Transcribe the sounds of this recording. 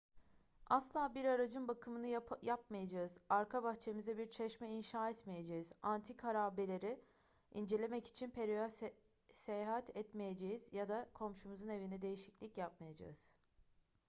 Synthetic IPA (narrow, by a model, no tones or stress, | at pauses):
aslˠaːbiɾaɾad͡ʒɯnbakʰɯmɯnɯjap̚majad͡ʒaɯzaɾkʰabaxt͡ʃʰemizd̪ɛbiɾt͡ʃʰɛʃmɛinʃaːɛt̪mejed͡ʒejizant̪ʰikʰaɾaːbelʲe̞ɾi | ind͡ʒe̞lʲe̞mɛci̥t͡ʃʰinpʰeɾija | sejaɦat̪ʰɛt̪mejed͡ʒejiz̥jad̪akʰo̞mʃumuzune̞vinɛd̪e̞jiʃiclʲicjap̚majad͡ʒa̰ɯz̥